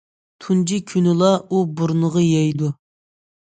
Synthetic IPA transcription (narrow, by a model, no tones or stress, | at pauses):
t̪ʰund͡ʒikʲʰynɪlˠɑubuɾnəʁɑjɛjd̪u